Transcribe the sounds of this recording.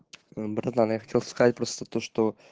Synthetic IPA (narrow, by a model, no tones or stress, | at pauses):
əbɾat̪anjaxɐtʲelˠskɐzat̚ʲpɾo̞st̪ət̪oʂt̪o